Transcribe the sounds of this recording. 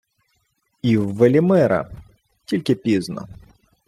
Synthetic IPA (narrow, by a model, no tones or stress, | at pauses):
iwːɛlʲimɛɾɐ̰ | tʲilʲkʲɪpʲiznɔ̰